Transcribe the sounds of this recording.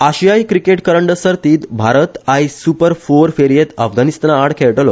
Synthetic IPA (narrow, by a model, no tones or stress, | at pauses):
aɕijajkɾikeʈkəɾəɳɖəsəɾt̪iːt̪bʱaɾət̪aisupəɾfoɾfeɾijet̪əfɡanist̪anaɽkʰeɭʈəlo